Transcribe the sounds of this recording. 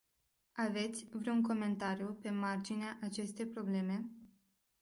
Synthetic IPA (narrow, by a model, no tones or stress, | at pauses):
ave̞t̪sʲvɾouŋko̞me̞nt̪aɾjupe̞mard͡ʒineaʔat͡ʃe̞st̪e̞jpɾo̞ble̞me̞